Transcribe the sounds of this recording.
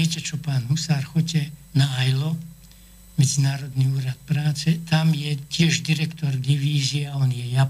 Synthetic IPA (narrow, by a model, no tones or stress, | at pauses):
ɛcɛt͡ʃɔpaːnɦusaɾxɔcɛnaajlɔ | mɛd͡zinaːɾɔd̪niuːɾat̪̚pɾaːt͡sɛt̪amjɛcɪɛʒd̪iɾɛkt̪ɔɾd̪iʋiːziaaɔnjɛja